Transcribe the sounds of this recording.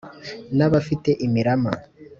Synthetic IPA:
naβafite̞ʔimiɾama

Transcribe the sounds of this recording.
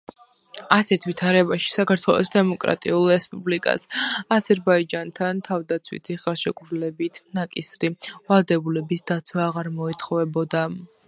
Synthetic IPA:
asɛt̪ʰvit̪ʰaɾɛbaʃi̥sakʰaɾt̪ʰwɛ̰lˠɔ̰sd̪ɛmɔkʼɾa̰t̪ʼḭulˠɾɛspʼublikʼa̰sazɛɾbaid͡ʒant̪ʰant̪ʰavd̪at̪sʰwḭt̪ʰiʁaʃɛkʼɾlɛbit̪ʰnakʼisɾivalˠd̪ɛbulɛbisd̪̥at̪sʰwaːʁaɾmɔit̪ʰχɔvɛbɔd̪a

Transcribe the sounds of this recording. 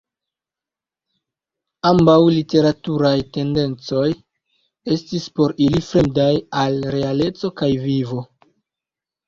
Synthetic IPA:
ambawlite̞ɾatuɾajte̞nde̞nt͡so̞j | e̞stispo̞ɾilifɾe̞mdajalɾe̞ale̞t͡so̞kajvivo̞

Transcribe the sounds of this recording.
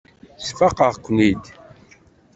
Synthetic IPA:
sfɑqəʁkʷːnid̪

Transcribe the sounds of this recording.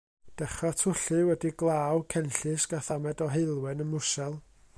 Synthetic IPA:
d̥ɛχatʰʊɬɨwɛdiɡlˠaːwkʰɛnɬɨsɡ̥aθamɛdɔɦeɨlˠwɨnənmʊsɛlˠ

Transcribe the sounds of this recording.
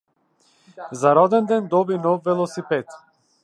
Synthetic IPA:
zaɾɔd̪ɛnd̪ɛnd̪ɔbinɔfvɛlˠɔsipɛt̪

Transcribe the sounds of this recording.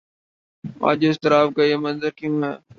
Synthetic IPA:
a̰ːd͡ʒeɪst̪ɪɾaːbkajeːmənzəɾkijũːɦɛː

